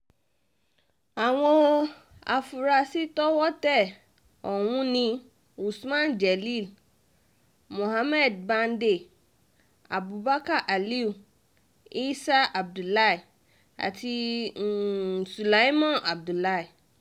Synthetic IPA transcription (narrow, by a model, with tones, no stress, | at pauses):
a˨w̃ɔ̃˦ | a̰˨fu˨ɾa˧si˦tɔ˦wɔ˦tɛ˦˨ | ɔ˨wũ˧nĩ˧ | u˨smã˦n˨d͡ʒɛ˨li˦˨l | mõ˨ɦa˧˦mɛ˦˨dba˧n˦de˦˨ | a˨bu˨ba˦ka˦˨ʔa˨li˦u˦˨ | i˦sa˦ʔa˨b̚du˨la˦i˨ | a̰˨ti˧˨ | su˨la˨˦i˦mɔ̃˦˨a˨b̚du˨la˦i˨